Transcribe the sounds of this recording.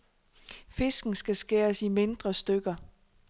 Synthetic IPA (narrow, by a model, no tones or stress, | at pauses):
fe̝sɡ̥n̩sɡ̥æsɡ̥e̝ːɐsime̝nd̥ʁɐsd̥øɡ̥ɐ